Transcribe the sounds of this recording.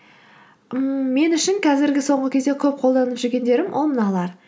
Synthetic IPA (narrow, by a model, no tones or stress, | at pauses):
əmme̞nʏʃɪŋqʰɑzɪɾɡʲɪso̞ɴʁəkʲʰe̞zd̪ekʲʰɵp̚qʰo̞lˠd̪ɑnəpʒʏɾɡʲe̞nd̪e̞ɾɪmwʔo̰lˠmənɑlˠɑɾ